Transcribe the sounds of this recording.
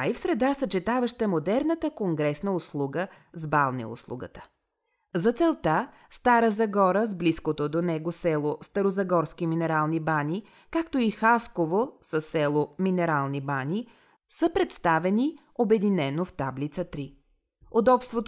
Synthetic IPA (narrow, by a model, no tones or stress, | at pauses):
aifsɾɛd̪asət͡ʃɛt̪avəʃt̪əmod̪ɛɾnət̪əkoŋɡɾɛsnəʊslˠuɡə | zbalˠnḭʊ̰slˠṵɡə̰t̪ə̥ | zɐt̪sɛlˠt̪a | st̪aɾəzɐɡɔɾəzbliskot̪od̪onɛɡosɛlˠost̪ɐɾozɐɡɔɾsk̟iminɛɾalˠnibani | kakt̪oixaskovosəsːɛlˠominɛɾalˠnibani | səpɾɛt̪st̪avɛni | obɛd̪inɛnoft̪ablit̪sət̪ɾi | od̪ɔpst̪vot̪